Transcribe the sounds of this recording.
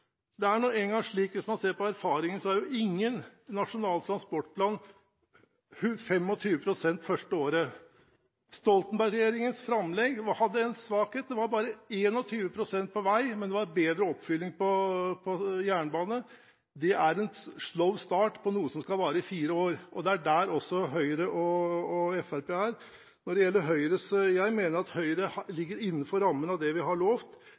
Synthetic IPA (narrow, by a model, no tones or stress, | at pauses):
d̪ɛæɳɔæɪŋɡɑŋʂɭiːkʋɪsmɑnseːɾpɔæɾfɑːɾɪŋənsɔæɾjʊʔɪŋːənnɑʂʊnɑːlt̪ʰɾɑnspɔʈːpʰlɑːn | hʉfɛmɔt̪ʰyːʋəpʰɾʊsɛnt̪fœʂʈəoːɾə | st̪ɔlt̪ənbæɾɡɾɛjeːɾɪŋənsfɾɑmlɛɡʋɔhɑd̪ːəɛnsʋɑːkheːt̪̚d̪ɛʋɑɾbɑːɾəeːnɔt̪ʰyːʋəpʰɾʊsɛnt̪̚pʰɔʋæɪmɛnd̪ɛʋɑɾbeːd̪ɾəɔpːfʏlːɪŋpʰɔpʰɔjæːɳəbɑːnə | d̪ɛʔæɾɛnʂlœʊst̪ɑːʈpʰɔnuːəsɔmskɑlʋɑːɾəɪfiːɾəoːɾʔɔd̪ɛæɖæːɾɔsːɔɦœʏɾəʔɔɔɛfæɾpeːæːɾ | nɔɖɛjɛlːəɾɦœʏɾəsjæɪmeːnəɾɑt̪hœʏɾəhlɪɡːəɾɪnːəfɔɾːɑmːənɑd̪ɛʋɪɦɑɭoːft̪